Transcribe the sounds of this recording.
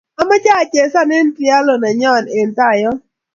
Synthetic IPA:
a˨ma˦t͡ʃa˦˨t͡ʃe˨sa˦nɛ˦n˦tɪ˦a˦lɔ˨na˨ɲɔ˦˨ne˨n˨ta˦˨jɔ˦

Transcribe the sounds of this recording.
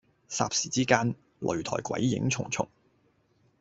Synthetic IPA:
sa̰ː˧p̚siː˨˩t͡siː˥kaː˥n | lʔɵ̰˨˩ɥt̪ʰɔ̰ː˨˩jkwɐ̰˨˥jːɪ̰˧˥ŋt͡sʰʊ˨˩ŋt͡sʰʊ̰˨˩ŋ

